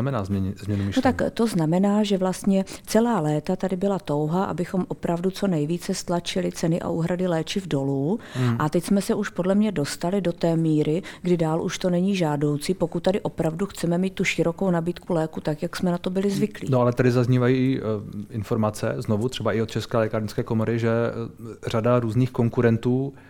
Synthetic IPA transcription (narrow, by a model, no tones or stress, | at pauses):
mɛnaːzɛzmɲɛnumɪʃnot̪akt̪o̞znamɛnaːʒɛvlast̪ɲɛt͡sɛlaːlɛːt̪at̪adɪbɪlat̪o̞wɦaʔa̰bɪxo̞mʔo̞pɾavdut͡so̞nɛjviːt͡sɛst̪lat͡ʃɪlɪt͡sɛnɪʔa̰ʔuːɦɾadɪlɛːt͡ʃɪvdo̞luʔat̪ɛcsmɛsɛʔuʃpodlɛmɲɛdo̞st̪alɪdo̞t̪ɛːmiːɾɪɡdɪdaːlʔuʃt̪o̞nɛɲiʒaːdo̞wt͡siːpo̞kut̪̚ːadɪʔo̞pɾavduxt͡sɛmɛmiːt̪̚t̪ːuʃɪɾo̞ko̞wnabiːt̪kulɛːkut̪akjaksmɛnat̪obɪlɪzvɪklḭnoalɛt̪adɪzazɲiːvajiːɪʔɪnfo̞ɾmat͡sɛ̰znovut̪r̥ɛbaʔɪot̪t͡ʃɛskɛːlɛkaɾɲskɛːkomoɾɪʒɛ | r̝adaɾuːzniːxko̞ŋkuɾɛnt̪uː